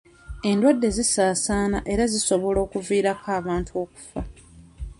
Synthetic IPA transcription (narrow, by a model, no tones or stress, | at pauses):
e̞ndwadːe̞zisaːsaːna̰ʔe̞ɾaziso̞βo̞lo̞ːkuviːɾakʰaːβaːntuo̞ːku̥fa